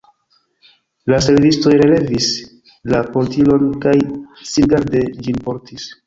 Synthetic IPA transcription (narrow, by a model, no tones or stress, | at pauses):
las̬e̞lvisto̞jɾe̞le̞vis | lapontilo̞nkajsiɡaɾde̞d͡ʒinpo̞ɾtis